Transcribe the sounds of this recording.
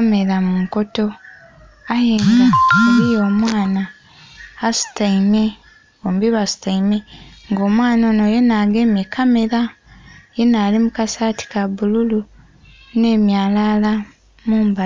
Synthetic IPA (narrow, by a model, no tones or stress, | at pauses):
me̞ɾamumuko̞to̞ | ajemuɾijo̞ːmwaːnaː | su̥taime̞ | oːmbiβasu̥taimeŋɡo̞ːmwaːnonoje̞naːɡemekʰame̞ɾa | jenaːlimukasaːti̥kaβululu | ne̞ːmjaːlala | muːmba